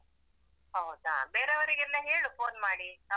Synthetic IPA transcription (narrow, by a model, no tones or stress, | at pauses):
ɦəwd̪a̰beːɾeʋɐɾiɡilːaɦeːɭufoːnmaːɽiː